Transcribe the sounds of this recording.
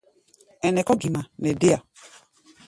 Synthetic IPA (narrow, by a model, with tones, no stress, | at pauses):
ɛ˨nɛ˨kɔ˦ɡi˨ma˨ne˨de˦a˨